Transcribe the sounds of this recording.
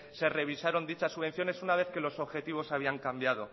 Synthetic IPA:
se̞re̞β̞isaɾo̞nd̪it͡ʃasːuβe̞n̟θjo̞ne̞sunaβe̞θke̞lo̞so̞βxe̞t̪iβ̞o̞saβiaŋkambjaðo̞

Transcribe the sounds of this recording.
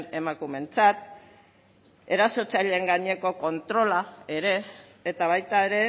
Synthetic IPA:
ne̞makume̞nt͡sat̪ | e̞ɾaso̞t͡saʎeeŋɡaɲeko̞ko̞nt̪ɾo̞lae̞ɾe̞ː | t̪aβajt̪ae̞ɾe̞

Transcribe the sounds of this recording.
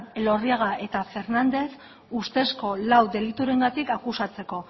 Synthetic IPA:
elo̞riaɣ̞aʔe̞t̪afe̞ɾnand̪e̞s | ust̪e̞sko̞lawd̪e̞lit̪uɾe̞ŋɡat̪ikakusat͡se̞ko̞

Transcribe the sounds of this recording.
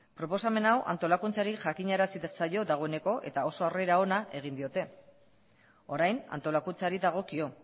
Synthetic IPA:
pɾo̞po̞same̞nawʔa̰nt̪o̞lakunt͡saɾiʝakiɲaɾasisajo̞ðaɣ̞o̞e̞ne̞ko̞ʔe̞t̪ao̞so̞are̞ɾao̞naʔe̞ɣ̞ind̪io̞t̪e̞ | o̞ɾajna̰nt̪o̞lakunt͡saɾiðaɣ̞o̞kio̞

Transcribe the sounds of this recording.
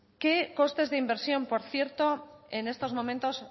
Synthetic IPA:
keko̞st̪e̞zðeimbeɾsjo̞mpo̞ɾθje̞ɾt̪o̞ene̞st̪o̞zmõ̞mẽnt̪o̞s

